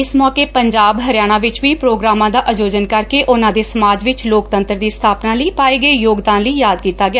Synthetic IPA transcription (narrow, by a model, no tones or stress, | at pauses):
ɪsmɔːkeːpəɲd͡ʒaːbɦəɾɪjaːɽ̃ãːʋɪt͡ʃʋiːpɾoːɡɾaːmãːd̪aːʔəd͡ʒoːd͡ʒənkəɾkeːʔʊnãːd̪eːsəmaːd͡ʒʋɪt͡ʃloːkt̪ənt̪ɾd̪iːst̪ʰaːpnãːləiːpaːeːɡəeːjoːɡd̪ãːnləiːjaːd̪̚kiːt̪aːɡɪjaː